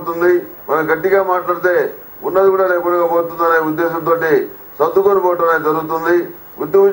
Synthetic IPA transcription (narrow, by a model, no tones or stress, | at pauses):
t̪und̪imɐnɐɡɐʈːiɡaːmaːʈlaːɽit̪e̞ː | unːɐd̪ukuːɽalepɐɽuɡaboːt̪und̪ɐneːud̪ːeːʃɐmt̪̬oːʈi | sɐd̪ːukonɐpɔːʈɐneːd͡ʒɐɾuɡut̪̬und̪i | ṵd̪jɐɡu